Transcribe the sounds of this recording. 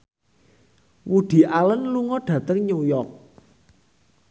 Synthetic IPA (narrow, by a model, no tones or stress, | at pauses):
wud̪̥i̤ʔalənluŋɔɖ̥ä̤t̪əŋɲujɔk̚